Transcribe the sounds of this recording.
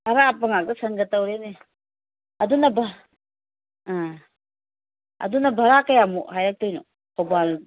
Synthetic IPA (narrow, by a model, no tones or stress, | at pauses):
ɐɾapɐŋak̚dɐsɐŋɡɐtɐwɾene | ɐdunɐbʱ | a | ɐ̰dunɐbʱɐɾakɐjamuɦajɾak̚tojno̰ | kʰɔbal